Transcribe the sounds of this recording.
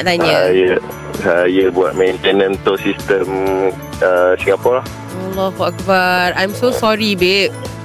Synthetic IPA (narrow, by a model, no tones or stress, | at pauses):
danjaajə | sajəbua̰t̚mɛ̃nt̪ɛnə̃nt̪osist̪əm | əsĩŋapɔlah | alːɔɦuak̚baɹãjmsosɔɹibet̚